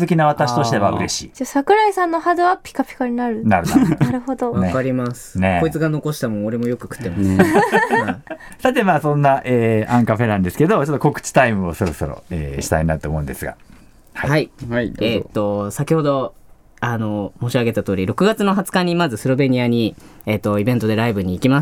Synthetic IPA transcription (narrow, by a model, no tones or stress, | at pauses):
zɨkʲinaβat̪aɕi̥t̪o̞ɕit̪e̞βa̰ɯɾe̞ɕḭːd͡ʑasakɯ̟ɾaisãnːohad̪ɨapʲi̥kapʲi̥kaɲ̟inaɾɯ̟naɾɯnaɾɯ̟hod̪oβakaɾʲimasɨ̥neko̞it͡sɨɡano̞ko̞ɕi̥t̪amõ̞o̞ɾe̞mo̞jo̞kɯ̟̥kɯ̟̥t̪ːemas | a | sat̪e̞maːsõ̞nːaʔeːãŋkaɸe̞nãnd̪e̞sɨ̥ke̞d̪o̞t͡ɕot̪ːoko̞kɯ̟̥t͡ɕi̥t̪aimɯ̟oso̞ɾo̞so̞ɾo̰ḛːɕi̥t̪a̰iɲinat̪omo̞ɯ̃nd̪esɨɡa̰ | hhaiet̪ːo̞sakʲiho̞d̪o̞ | ano̞mo̞ːɕiaɡe̞t̪at̪o̞ːɾʲiɾo̞kɯ̟ɡat͡sɨno̞ɦat͡sɨ̥kaɲ̟imazɨsɨɾo̞be̞ɲ̟iaɲ̟iet̪ːo̞ibẽ̞nt̪o̞d̪e̞ɾaibɯ̟ɲ̟iːkʲimas